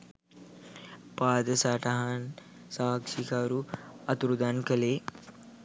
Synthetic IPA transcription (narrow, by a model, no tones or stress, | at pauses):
paːd̪ɐsaːʈaɦan | saːkʂikaːɾuɐt̪uɾud̪aːnkɐleː